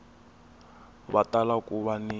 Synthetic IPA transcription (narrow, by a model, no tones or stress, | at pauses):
βatʼalakuβani